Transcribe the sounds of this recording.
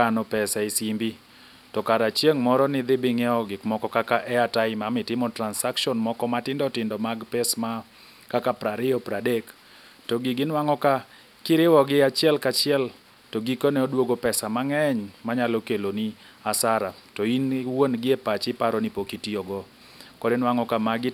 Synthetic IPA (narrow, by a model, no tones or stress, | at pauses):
anɔpɛsaɪsimbi | tɔkaɾat͡ʃjeŋmɔɾɔnɪd̪ɪbɪŋɛɔɡɪkmɔkɔkakaʔɛataɪmamɪtɪmɔtɾansakʃɔnmɔkɔmatɪndɔtɪndɔmaɡpɛsma | kakapɾaɾɪɔpɾadek | tɔɡiɡɪnwaŋɔka | kɪɾɪwɔɡɪat͡ʃɪɛlkat͡ʃɪɛl | tɔɡikɔnɛɔdwoɡopɛsamaŋɛɲmaɲalɔkeloni | asaɾatoinwonɡɪɛpat͡ʃɪpaɾɔnipokitiɔɡɔ | kɔdɪnwaŋɔkamaɡɪ